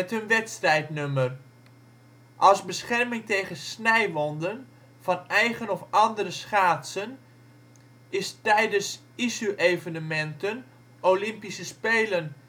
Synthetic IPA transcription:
ɛtɦɵnʋɛtstrɛjtnømər | ʔɑlˠzbəsχɛrmɪŋtejχənsnɛjʋɔndən | v̥ɑnɛjχənɔfɑndəɾəsχaːtsən | ɪstɛjdəns | isyʔejvənəmɛntən | olɪmpisəspeːlən

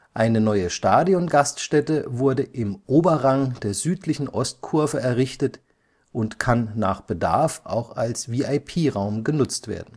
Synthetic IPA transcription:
ʔaɪnənɔʏəʃtaːdiɔnɡastʃtɛtəvʊɐdəʔɪmʔoːbɐʁaŋd̥eːɐzyːtʰlɪçn̩ʔɔst̚kʰʊɐvəɛɐʁɪçtət | ʔʊntkʰanːaːχb̥əda̰ɐfʔa̰ʊxalsviːaɪpʰiːʁaʊmɡənʊt͡stv̥ḛːɐdn̩

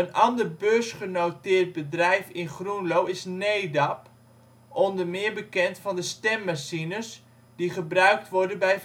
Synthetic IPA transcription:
ənɑndərbøsχənotɪːrt̚bədrɛjfɪnχrunlowɪsneːdɑp | ɔndəmɪərbəkɛntfɔndəstɛmːasinəs | d̥iχəbrœɥk̚tʋʊrdənbɛj

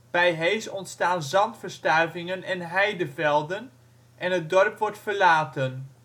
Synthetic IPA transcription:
b̥ɛjɦejsɔntstaːnzɑntfəɹstœɥvɪŋənɛnɦɛjdəvɛlˠdən | ʔɛnɦədɔrpʋɔɹtfəɹlaːtən

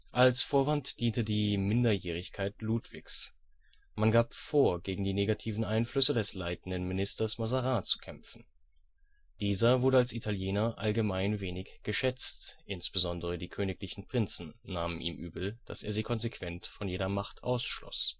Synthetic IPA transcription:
ʔalsfoːɐvantd̥iːntədiːmɪndɐjeːʁ̞ɪçkʰaɪtluːtv̥ɪçs | manɡaːpfoːɐɡeːɡŋ̩diːneːɡatʰiːvn̩ʔaɪnflʏsədɛslaɪtn̩dən̩mɪnɪstɐsmazaʁaːt͡su̥kʰɛmfn̩ | d̥iːzɐvʊɐɾəalsitʰaljeːnɐʔalɡəmaɪnveːnɪçɡ̥əʃɛt͡stʔɪnsb̥əzɔndəʁ̞ədiːkʰøːnɪklɪçn̩pʁ̥ɪnt͡sn̩ːaːmənʔḭːmʔyːbl̩d̥a̰seːɐziːkʰɔnzekʰv̥ɛntfɔnjeːɾɐmaχtʰʔa̰ʊsʃlɔ̰s

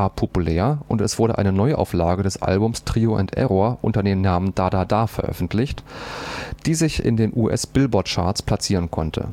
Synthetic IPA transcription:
aːɐpʰopulɛːɐʔʊntɛsv̥ʊɐɾəʔa̰ɪnənɔʏʔa̰ʊflaːɡədɛsʔa̰lbʊmstʁ̥iːoʔʊ̰ntʰʔɛ̰ʁoːɐʔʊntɐdeːnːaːmənd̥adaːdaːfɛɐʔœ̰fn̩tʰlɪçt | d̥iːzɪçɪ̰ndeːnʔuʔɛ̰sb̥ɪlbɔɐtt͡ʃa̰ːɐtt͡spʰl̥at͡siːʁ̞ənkʰɔntʰə̰

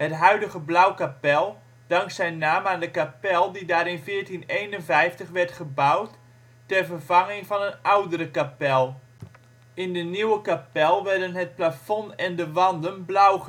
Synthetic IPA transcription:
hətɦœɥdəɣəblawkapɛlˠ | d̥ɑŋksɛjnːaːmaːndəkapɛlˠdidaːɾɪnfɪːɹtinejnənvɛjftəχʋɛrtχəbawtː | ɛrvərvɑŋɪŋvɑnənawdəɾəkapɛlˠ | ɪndəniwəkapɛlˠʋɛrdənɦət̚plafɔnɛndəʋɑndənblawχə

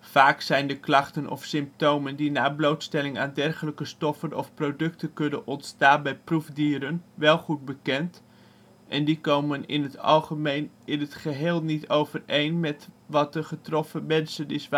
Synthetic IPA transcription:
faːksɛjndəklɑχtənʔɔ̰fsɪmp̚towməndinaːblowtstɛlɪŋa̰ːndɛrχələkəstɔfənɔ̰fprowdɵk̚təkɵnənɔntstaːnbɛjpruvdiːɾənʋɛlˠχud̚bəkɛnt | ʔɛndikowmənɪ̰nɦətɑ̰lˠχəmejn | ɪnətχəɦɪːlˠnitowvərejnmɛtʋɑt̚dəχətrɔfəmɛnsənɪsa

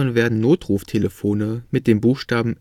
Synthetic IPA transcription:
ənveːɐdn̩noːtʁ̥uːftʰeləfoːnəmɪt̚d̥eːmbuːxʃtaːbm̩

